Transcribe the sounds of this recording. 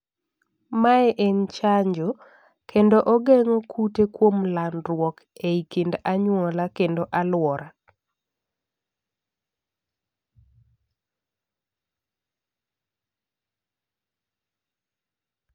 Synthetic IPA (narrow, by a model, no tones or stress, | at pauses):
maɛʔent͡ʃaɲd͡ʒo | kʰendoʔoɡeŋokʰutekwomlanɾwɔk | eikendaɲwɔlakendoʔalwɔɾa